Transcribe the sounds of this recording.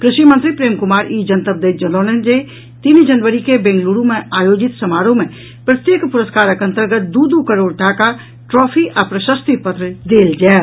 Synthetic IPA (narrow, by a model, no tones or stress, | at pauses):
kɾɪʃʋimə̃nt̪ɾipɾeːmkʊmaːɾiːd͡ʒɐnt̪əb̚d̪eːd͡ʒɐloːnend͡ʒe | t̪inid͡ʒɐnʋəɾikebẽːŋɡluːɾõmẽaːjoːd͡ʒɪt̪sɐmaːɾõmẽ | pɾɐt̪jeːkpʊɾəskaːɾəkəɐ̃nt̪əɾɡət̪̚d̪uːd̪ukəɾoːɽʈaːka | ʈɾɔːpʰiʔapɾəʃəst̪ipɐt̪ɾəd̪eːld͡ʒɛː